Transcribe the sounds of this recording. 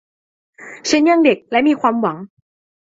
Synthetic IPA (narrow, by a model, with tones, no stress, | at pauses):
ɕa˦˥nja˥˩ŋde˨˩k̚lɛ˦˥miː˧kʰwaː˧mwa˩˦ŋ